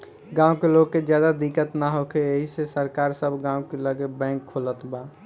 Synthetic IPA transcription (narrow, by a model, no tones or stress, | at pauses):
ɡãːukeloɡːed͡ʒjad̪ad̪ikət̪naɦokʰeeɦisesəɾkaːɾsəbʱɡãũkeləɡebɛ̃ŋkʰːolət̪ba